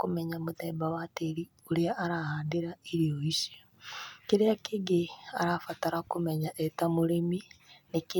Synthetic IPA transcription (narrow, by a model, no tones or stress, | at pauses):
kumeɲamuðebawateɾi | uliaːɾahaːndiɾaiɾijoiʃe̥ | kiɾeakiɡea̰ɾafataɾakumeɲaʔetamuleminiki